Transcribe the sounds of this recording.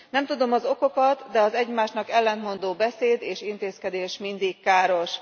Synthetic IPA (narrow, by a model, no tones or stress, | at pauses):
nɛmt̪ud̪o̞mɒzo̞ko̞kɒt̪d̪ɛɒzɛɟmaːʃnɒkɛlːɛnt̪mo̞nd̪oːbɛseːd̪eːʃint̪eːskɛd̪eːʃmind̪ikkaːɾo̞ʃ